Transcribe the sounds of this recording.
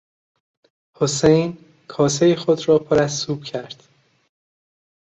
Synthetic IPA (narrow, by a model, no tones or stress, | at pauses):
hosejn | kʰɒːsejexo̞d̪ɾɒːpʰoɾæzːuːb̥cʰæɾd̪̥